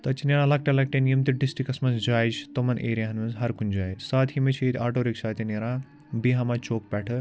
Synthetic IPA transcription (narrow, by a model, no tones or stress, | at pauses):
t̪ɐt̪ʰineɾãːlɐk̚ʈelɐk̚ʈenjimt̪iɖisʈikɐsmɐsd͡ʒaːjd͡ʒt̪omɐnʔḛːɾijaɦɐnmɐnzɦɐɾkund͡ʒaːjsaːt̪ʰhimet͡ʃʰiit̪ʰʲaːʈoːɾiksaːt̪ʰineɾãː | biɦamat͡ʃoːk̚pɛːʈʰɨ